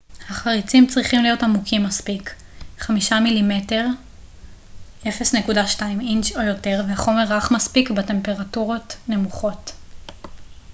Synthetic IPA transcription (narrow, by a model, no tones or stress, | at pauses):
haχaʁit͡simt͡sʁiχimlijo̞tamukʰimːaspik | χamiʃamilime̞te̞ʁ | e̞fe̞sne̞kudaʃtaimint͡ʃojo̞te̞ʁvehaχo̞me̞ʁːaχmaspikbete̞mpe̞ʁatuʁo̞tne̞muχo̞t